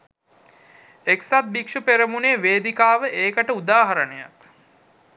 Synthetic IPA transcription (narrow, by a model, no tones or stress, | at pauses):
eksat̪̚bikʂupeɾəmuneːʋeːd̪ikaːʋəʔeːkəʈəud̪aːɦaɾənəja̰t